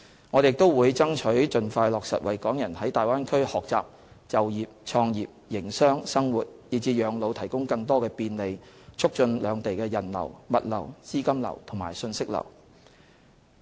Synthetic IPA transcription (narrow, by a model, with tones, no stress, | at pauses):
ŋɔː˨˧djɪ˨k̚t̪o˥wwuː˨˧jt͡sɐ˥ŋt͡ʃʰɵ˨˥ɥt͡ʃɵ˧nfaː˧jlɔː˨k̚sɐ̰˨t̚wɐ˨jkɔː˨˥ŋjɐ˨˩nhɐ˨˥jt̪aː˨˩jwaː˥nkʰɵ˥ɥhɔː˨k̚t͡sa̰ː˨p̚ | t͡sɐ˨wjiː˨p̚t͡ʃʰɔː˧ŋjiː˨p̚jɪ˨˩ŋsœː˥ŋsɐ˥ŋwuː˨t̚jiː˨˩t͡siː˧jœː˨˧ŋlo˨˧wt̪ʰɐ˨˩jkʊ˥ŋkɐ˧ŋt̪ɔː˥kɛː˧piː˧nle˨˧jt͡sʰʊ˥k̚t͡ʃɵ˧nlœː˨˧ŋt̪e˨jkɛː˧jɐ˨˩nlɐ̰˨˩wmɐ˨t̚lɐ̰˨˩wsiː˥kɐ˥mlɐ̰˨˩wt̪ʰʊ˨˩ŋma̰ː˨˩jsɵ˧nsɪ˥k̚lɐ̰˨˩w